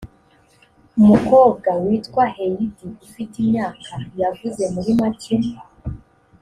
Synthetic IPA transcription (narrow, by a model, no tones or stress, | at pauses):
umuko̞ːb̚ɡawiːtkwahejidiufitimɲaːkʰajavuze̞muɾimacimba